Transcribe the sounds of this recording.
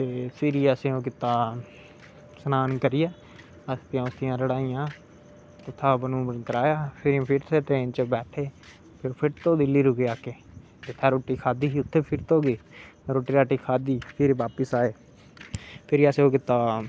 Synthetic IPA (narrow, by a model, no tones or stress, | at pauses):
t̪eːsɪɾiːəsẽːoːkɪt̪aː | sənaːnkəɾɪjaː | əst̪jãːʊst̪ɪjãːləɽaːijãː | t̪ʊt̪ʰːaːbənũːəkəɾaːjaːpʰɪɾ̃ːpʰɪɾt̪ʰeːt̪ẽːnt͡ʃəbɛːʈʰeː | pʰɪɾpʰɪɾt̪õːd̪ɪlːiːɾʊkeːaːkeː | d͡ʒ̪et̪ʰaːɾoːʈːiːkʰaːd̪iːʊt̪ʰːeːpʰɪɾt̪oːɡiːɾoːʈiːɾaːʈiːkʰaːd̪iːpʰɪɾʋaːpəsaːeː | pʰɪɾəseõːkɪt̪ːaː